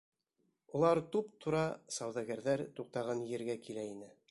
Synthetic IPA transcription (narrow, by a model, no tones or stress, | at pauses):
ulˠɑɾt̪upt̪ʰŏɾɑsɑwðɑɡæɾðæɾt̪uq̚t̪ɑʁɑnjɘ̆ɾɡækilæinɘ